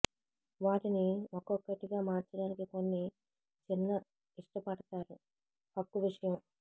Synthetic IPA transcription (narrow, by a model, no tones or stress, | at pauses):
ʋaːʈiniɔkɔkːɐʈiɡaːmaːɾt͡ʃɐɽaːnikiko̞nːi | t͡ʃinːɐ | iʂʈɐpɐɽɐt̪aːɾu | pɐkːuʋiʂɐjɐm